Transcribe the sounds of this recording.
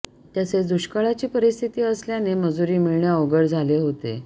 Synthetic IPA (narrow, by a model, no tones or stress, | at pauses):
t̪jaset͡sd̪uɕkaɭat͡ɕiːpəɾist̪ʰit̪iːəsljaneməd͡zuɾiːmiɭɳjaoɡəɽd͡zʱaleɦot̪ḛ